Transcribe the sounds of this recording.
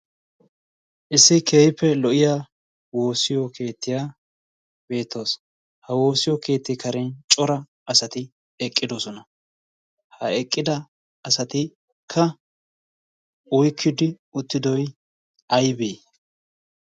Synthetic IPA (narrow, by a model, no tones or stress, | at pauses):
ʔɪsːɪkʰeːhɪpːɛlɔʔɪja | wo̞ːsɪjɔkʰe̞ːt̪ːɪja | be̞ːt̪ːo̞ːs | hɐwo̞ːsɪjɔke̞ːt̪ːɪkɐɾɛnt͡ʃʼɔɾɐ | ɐsɐt̪ɪ | ɛkʼːɪd̪osɔnɐ | hɐɛkʼːɪd̪ɐ | ɐsɐt̪ɪ | kʰːɐ | ʊjkʰːɪd̪ɪ | ʊt̪ːɪd̪ɔj | ɐjbeː